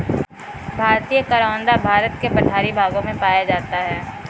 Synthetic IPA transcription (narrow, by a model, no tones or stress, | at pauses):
bʱaːɾt̪ijəkɐɾaʋə̃nd̪abʱaːɾət̪kepɐʈʰaːɾibʱaːɡõmẽpaːjad͡ʒaːt̪aɦɛː